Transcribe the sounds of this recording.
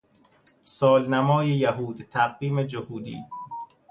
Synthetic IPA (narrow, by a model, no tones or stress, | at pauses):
sɒːlnæmɒːjejæɦuːd̪t̪ʰæɢviːmed͡ʒohuːd̪ḭː